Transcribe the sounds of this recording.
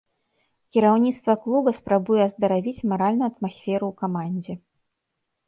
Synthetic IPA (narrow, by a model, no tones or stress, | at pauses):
kʲiɾawnʲit̪st̪vɐklˠubɐspɾabujɛɐzd̪ɐɾavʲit͡sʲmaɾalʲnuuɐt̪masʲfʲɛɾuːkamanʲd͡zʲɛ